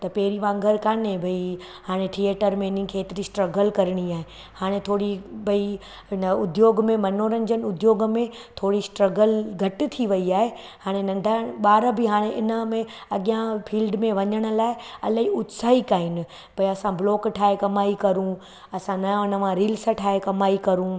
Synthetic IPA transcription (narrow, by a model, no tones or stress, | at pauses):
t̪ɐpɛːɾiʋãːŋɡʱəɾkaːnebʱɐi | haːɽ̃eʈʰieːʈəɾmẽːnĩkʰeːt̪ɪɾisʈɾɐɡəlkɐɾɪɽ̃iaːɦe | haːɽ̃et̪ʰoːɽibʱɐi | ɪnəʊd̪joːɡmẽmɐnoːɾənd͡ʑənɪ̆ʊd̪joːɡmẽt̪ʰoːɽisʈɾɐɡəlɡʱɐʈɪ̆t̪ʰiʋɐiaːɦe | haːɽ̃enɐ̃ɳɖʱaɓaːɾbɪɦaːɽ̃eʔɪnə̆mẽɐɠijãfʰiːlɖmẽʋɐɲəɽ̃ʊ̆laːɪɐ̰laɦiʊt̪saːɦikaːɦɪnɪ̆ | bɐiɐsãbloːkʈʰaːɦekɐmaːikɐɾũ | ɐsãnɐ̃ɪnəʋãɾiːlsəʈʰaːɦekɐmaːikɐɾũ